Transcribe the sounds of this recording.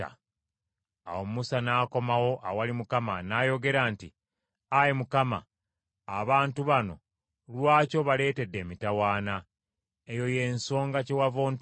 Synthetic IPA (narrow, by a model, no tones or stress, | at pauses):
a̰ | a̰womusanaːko̞mawo̞ʔawalimukamanaːjo̞ɡe̞ɾaːnti | ajemukama̰ː | βaːntuβano̞̰ | lwaːco̞βale̞ːte̞dːe̞ːmitawaːna | e̞jo̞je̞nso̞ːŋɡacewavo̞ːn